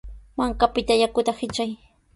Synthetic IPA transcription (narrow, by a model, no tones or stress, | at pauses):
maŋkapɪt̪ajakʊt̪ahɪt͡ʃaj